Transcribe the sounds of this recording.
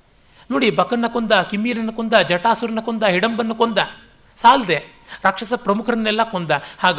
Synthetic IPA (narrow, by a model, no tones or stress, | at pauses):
noːɽibɐkɐnːɐkond̪ɐkimːiːɾɐnːɐkond̪ɐd͡ʒɐʈaːsuɾɐnːɐkond̪ɐɦiɽɐmbɐnːɐkond̪ɐ | saːld̪e | ɾɐkʂɐsɐpɾɐmukʰɐɾɐnːɛlːɐkond̪ɐhaːɡ